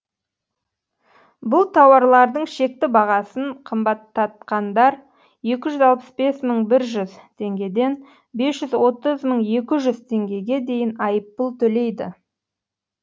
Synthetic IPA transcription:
bʊlˠt̪ʰɑwɑɾlˠɑɾd̪əɴʃe̞k̚t̪ɪbɑʁɑsəɴqʰəmbɑt̪ʰːɑt̪̚qɑnd̪ɑɾ | je̞kʲɪʒʏzɑlˠpəsbe̞sməɴbɪɾʒʏzt̪ʰe̞ŋɡʲe̞d̪e̞n | be̞sʒ̥ʏzwo̞t̪əzməɴe̞kʲɪʒʏzt̪ʰe̞ŋɡʲe̞ɡʲe̞d̪e̞jɪnɑjəpːəlˠt̪ʰɵle̞jd̪ɪ

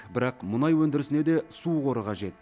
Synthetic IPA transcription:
bɪɾɑqmʊnɑjwɵnd̪ɪɾɪsɪne̞d̪e̞suqo̞ɾəqɑʒe̞t̪

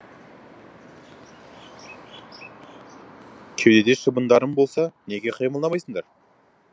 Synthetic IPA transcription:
kʲʰewd̪e̞d̪eʃəbənd̪ɑɾəmbo̞lˠsɑne̞ɡʲeqʰijməlˠd̪ɑmɑjsəɴd̪ɑɾ

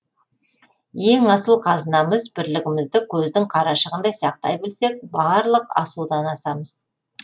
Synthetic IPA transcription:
je̞ŋɑsəlˠqʰɑzənɑməzbɪɾlɪɡʲɪmɪzd̪ɪkʲʰɵzd̪ɪŋqʰɑɾɑʃəʁənd̪ɑjsɑq̚t̪ɑ̰jbɪlse̞k̚bɑɾlˠəqɑ̰sud̪ɑnɑsɑməz̥

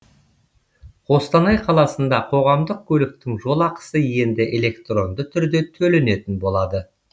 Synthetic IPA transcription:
qo̞st̪ɑnɑjqʰɑlˠɑsənd̪ɑqʰo̞ʁɑmd̪əq̚kʲʰɵlɪk̚t̪ɪŋʒo̞lˠɑqə̥səje̞nd̪ɪʔele̞kt̪ro̞nd̪ət̪ʰʏɾd̪e̞t̪ʰɵle̞ne̞t̪ɪnbo̞lˠɑd̪ə

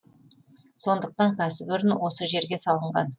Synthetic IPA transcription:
so̞nd̪əq̚t̪ɑŋkʲʰæsɪbʏɾɪnwo̞səʒe̞ɾɡʲe̞sɑlˠəɴʁɑ̰n

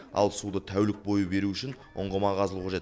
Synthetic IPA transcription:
ɑ̰lˠsud̪ət̪ʰæwlɪk̚bo̞jəbe̞ɾuʏʃɪn | ʊ̰ɴʁəmɑʁɑzəlˠuqʰɑʒet̪

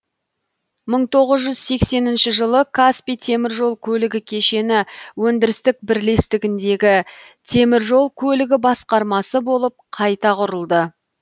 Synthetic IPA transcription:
məɴt̪ʰo̞ʁəzʒʏzse̞kse̞nɪnʃɪʒəlˠəkʰaspijt̪ʰe̞mɪɾʒo̞lˠkʲʰɵlɪɡʲɪkʲʰe̞ʃe̞nɪwɵnd̪ɪɾɪst̪ɪk̚bɪɾle̞st̪ɪɡʲɪnd̪e̞ɡʲɪ | t̪ʰe̞mɪɾʒo̞lˠkʲʰɵlɪɡʲɪbɑsqɑɾmɑsəbo̞lˠəp̚qʰɑjt̪ɑqʰʊɾəlˠd̪ə

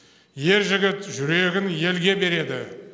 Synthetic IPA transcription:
je̞ɾʒɪɡʲɪt̪ʒʏɾe̞ɡʲɪnje̞lɡʲe̞be̞ɾe̞d̪ɪ̰

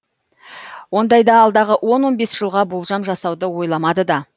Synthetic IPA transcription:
wo̞nd̪ɑjd̪ɑːlˠd̪ɑʁəʔwo̞nwo̞nbe̞sʒ̥əlˠʁɑbolˠʒɑmʒɑsɑwd̪əwo̞jlˠɑmɑd̪əd̪ɑ

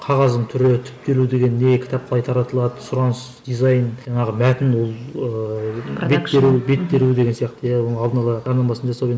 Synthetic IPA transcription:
qʰɑʁɑzd̪əɴt̪ʰʏɾɪt̪ʰʏ̥p̚t̪e̞lud̪e̞ɡʲe̞nːekʲʰɪ̥t̪ɑp̚qʰəlˠɑjt̪ʰɑɾɑt̪əlˠɑd̪əsʊɾɑnəsd̪̥izɑjnʒɑɴɑʁəmæt̪ɪnwolˠə | betːeɾube̞t̪ːe̞ɾud̪eɡʲensijɑqt̪əjawo̞nəɴɑlˠd̪ənɑlˠɑʒɑɾnɑmɑsənʒɑsɑwe

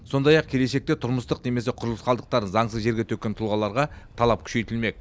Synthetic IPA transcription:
so̞nd̪ɑjɑqkʲʰe̞le̞ʃe̞k̚t̪e̞t̪ʰʊɾməst̪əqne̞me̞s̬e̞qʰʊɾlˠəsqɑlˠd̪əq̚t̪ɑɾənzɑɴsəzʒe̞ɾɡʲet̪ʰɵkʲːe̞nt̪ʰʊlˠʁɑlˠɑɾʁɑt̪ʰɑlˠɑp̚kʲʰʏ̥ʃe̞jt̪ɪlme̞k̚

